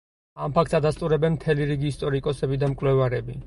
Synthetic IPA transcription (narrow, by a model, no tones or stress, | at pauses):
ampʰak̚t̪sad̪ast̪ʼuɾɛbɛnmt̪ʰɛliɾiɡiːst̪ʼɔɾikʼɔsɛbid̪amkʼwlɛvaɾɛbi